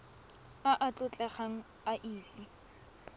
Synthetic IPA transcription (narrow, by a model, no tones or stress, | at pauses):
aʔat͡ɬʼʊt͡ɬʼɛχaŋ̩ | aʔiːt͡si